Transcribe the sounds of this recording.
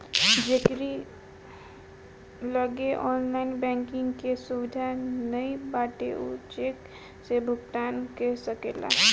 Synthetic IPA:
d͡ʒekɾi | ləɡeʔɔnlaɪnbɛ̃ŋkɪ̃ŋɡkesuʋid̪ʱanəibaʈeʔṵt͡ʃek | sebʱʊɡt̪ankesəkḛla̰

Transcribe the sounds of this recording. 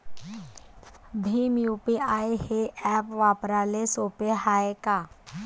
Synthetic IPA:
bʱimjuːpiʔaːeheʔɛːpʋaːpɾaːlesopeɦaːekaː

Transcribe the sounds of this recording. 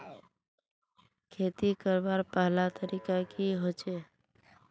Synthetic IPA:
kʰeːt̪ikəɾbaɾpəɦlat̪əɾiːkakiɦoːt͡ʃe

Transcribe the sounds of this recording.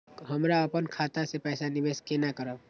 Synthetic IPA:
ɦəmɾaəpənkʰat̪asepɛːsanɪbeskenakəɾəb

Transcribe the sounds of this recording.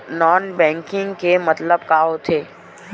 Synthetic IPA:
nɔːnbɛ̃ːŋkɪ̃ŋɡkemɐt̪ləbkaɦot̪ʰeː

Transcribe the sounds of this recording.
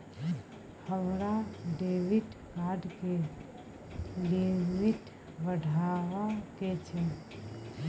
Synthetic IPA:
həmɾaɖeːʋɪʈkaːɖke | limɪʈ | ʋəɖʱaːʋaket͡ʃʰɛ

